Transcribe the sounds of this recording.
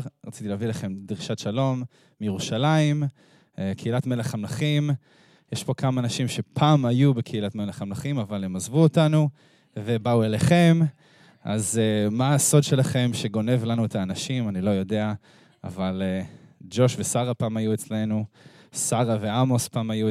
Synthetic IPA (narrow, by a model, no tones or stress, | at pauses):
ʁat͡sit̪ileavilaχe̞mdʁiʃatʃalo̞mː | ijeʁuʃalaim | ekʰeilatme̞leχamnaχim | jeʃpo̞kamaːnaʃimʃe̞pʰaːmajubekʰeilatmeleχamnaχimavalhemazvuotanu | ve̞baueleχe̞m | ʔa̰zemaːso̞dʃe̞laχe̞mʃe̞ɡo̞ne̞vlanuetʰaːnaʃimanilo̞jo̞de̞a | a̰valed͡ʒo̞ʃvesaʁapaːmajuet͡sle̞nusaʁaveamo̞spaːmaju